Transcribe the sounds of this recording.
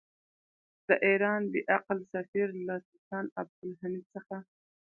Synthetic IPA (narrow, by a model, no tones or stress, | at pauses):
d̪̥əʔeɾɑnd̪əʔaqlsafiɾlasɪtɑnab̚d̪ʊlɦanisəxa